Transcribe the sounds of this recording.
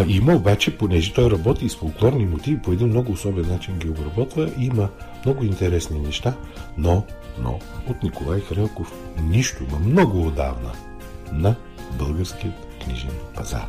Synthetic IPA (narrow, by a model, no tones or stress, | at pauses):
iməobat͡ʃɛponɛʒɛt̪ɔjɾɐbɔt̪isfoʊlˠklˠɔɾnimot̪ivipoɛd̪inmnɔɡʊːsɔbɛnːat͡ʃinɡʲiobɾɐbɔt̪vəʔimə | mnɔɡʊint̪ɛɾɛsninɛʃt̪a | nono̰ | ot̪nikolˠajxɾɛlˠkofniʃt̪ʊimɐmnɔɡʊːd̪a̰vnə̰ | nɐ | bɤlˠɡəɾskiət̪kniʒɛnpɐza̰ɾ